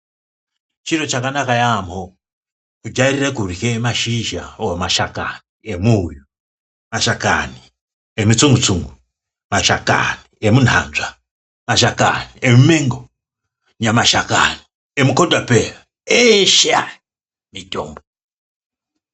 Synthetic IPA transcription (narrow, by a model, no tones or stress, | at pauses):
t͡ʃiɾot͡ʃakanakajamo | kud͡ʒairirekurikemaʃiʒaomaʃaka̰niemuju | maʃaka̰ni | emut͡suŋɡut͡suŋɡu | maʃaka̰niemun̤ʱa̰nzʷa | maʃaka̰niemumeŋɡo | ɲamaʃaka̰ni | emukodwapera | eʃa | mito̰ːmbo